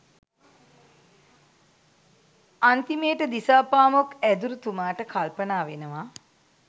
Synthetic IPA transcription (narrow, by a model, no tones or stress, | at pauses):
ant̪imeːʈəd̪isaːpaːmokæd̪uɾut̪umaːʈəkalpənaːʋenəʋa